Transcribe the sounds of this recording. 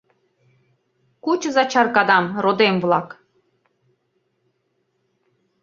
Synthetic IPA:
kut͡ɕə̆zɑt͡ɕɑrkɑd̪ɑmrod̪emvlˠɑk

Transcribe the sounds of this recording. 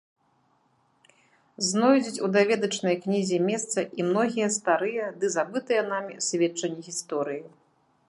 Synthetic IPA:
znɔjd͡zʲit͡sʲud̪avʲɛd̪ɐt͡ʂnɐjknʲizʲimʲɛst̪sɐʔimnɔɣʲijɐst̪aɾɨjɐd̪ɨzabɨt̪ɨjɐn̪amʲisʲvʲɛt͡ʂːɐnʲːɛɣʲist̪ɔɾɨji

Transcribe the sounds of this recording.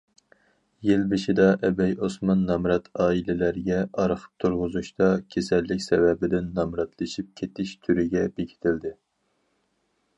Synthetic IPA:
jɪlbɪʃid̪ɑʔɛbɛjosmɑnːɑmɾɑt̪ʰɑːilɪlæɾɡʲɛʔɑɾχʰə̥p̚t̪ʰuɾʁʊzuʃt̪ɑkʲʰesɛlːɪkʲsɛvɛbɪd̪ɪnːɑmɾɑt̪ʰlˠɨʃip̚kʲʰet̪ʰɪʃt̪ʰyɾɪɡʲɛbekʲʰi̥t̪ʰɪld̪ɪ

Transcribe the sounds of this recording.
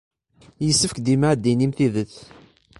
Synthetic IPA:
jəsːəfkd̪imaʕd̪ːinimθiðəθ

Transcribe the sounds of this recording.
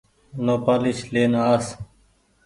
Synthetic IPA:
noːpaːliʃleːnaːs

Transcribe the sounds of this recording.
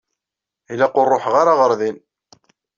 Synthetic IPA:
ilæqʊrˤːoħʁaɾaʁəɾˤðin

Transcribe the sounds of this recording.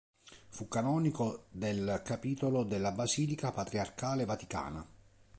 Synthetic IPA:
fukːanɔːnikod̪elkapiːt̪olod̪elːabaziːlikapat̪ɾiarkaːlevat̪ika̰ːna̰

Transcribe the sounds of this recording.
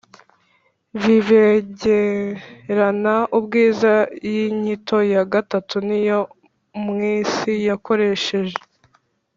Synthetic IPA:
viveɟe | ɾanaʔubɡiːzajiɲitʰo̞jaɡatatunijo | mŋiːsijako̞ɾe̞ʃe̞ʒe

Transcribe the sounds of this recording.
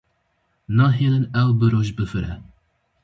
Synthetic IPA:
nɑːɦilɨnɛwbɨɾoʒbɨfɨɾɛ̰

